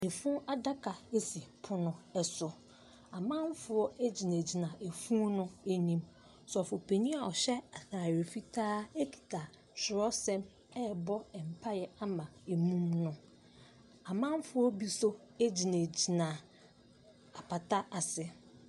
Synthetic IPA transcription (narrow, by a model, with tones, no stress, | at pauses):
e˨fũ˦a˦da˦kʰa˨e˦si˨pʰʊ˦nʊ̃˨ɛ˦sʊ˨ | a˨mã˦m˦fʊ˦ɔ˦e˦d͡ʑi˨næ̃˨d͡ʑi˨nã˨ʔe˨fũ˦nʊ̃˦e˦ɲĩ˦m | sɔ˨fʊ˨pʰe˨ɲĩ˦a˨ɔ˨ɕɛ˦a˨θaː˨ɥe˨fi˦tʰaː˦e˦kʰi̥˨tʰa˨ | ɕɪ˨ɾɔ˦sɛ̃˦m | ɛ˦˨bɔ˦ɛ˨m̩˨pʰa˦jɛ˨a˦mã˨e˨mũ˦mnʊ̃˦ | a˨mã˦m˦fʊ˦ɔ˦bi˦so˦e˦d͡ʑi˨næ̃˨d͡ʑi˨nã˨ | a˨pʰa˨tʰa˦a˨sɪ˨